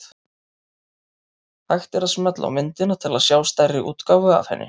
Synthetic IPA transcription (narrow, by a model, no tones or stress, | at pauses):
t̪ | hajxt̪ɛɾasmœt̪la̰wmɪnt̪ɪnat̪ʰɪlaðsjaːwst̪ajrɪʔṵːt̪kawvʏa̰vhɛ̰nːɪ̰